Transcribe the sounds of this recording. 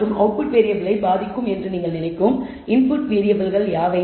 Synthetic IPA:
rɯmʔɐ̰ʊpɯʈʋeːɾɪjɐʋɪlɐɪbaːðɪkːɯmɛndrɯniːŋɡɐɭnɪnɐɪkːɯm | ɪnpʊʈʋeːɾɪjɐʋɐlɣɐɭjaːʋɐɪ

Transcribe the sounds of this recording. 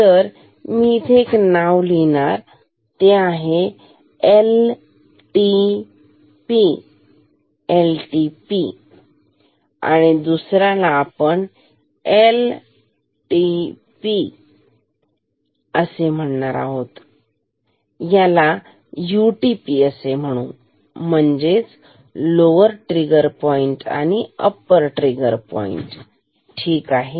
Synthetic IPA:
t̪əɾ | mit̪ʰeknawlinaɾ | t̪eaɦe | el | ʈi | pi | elʈipi | a̰ɽ̃id̪usɾalaːpəɳ | el | ʈi | pi | əsem̤əɳɳaɾaɦot̪ | jala | juʈipiəsem̤əɽ̃ũː | m̤əɳd͡ʑet͡s | loʋəɾʈɾiɡəɾpɔiɳʈa̰ɽ̃iə̰pəɾʈɾiɡəɾpɔ̰ḭɳʈ | ʈʰiːkaɦe

